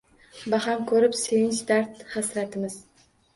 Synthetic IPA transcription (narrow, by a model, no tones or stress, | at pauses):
bahamkʰɵɾɪpsevɪnt͡ʃd̪aɾt̪hasɾat̪ʰɪmɪz̥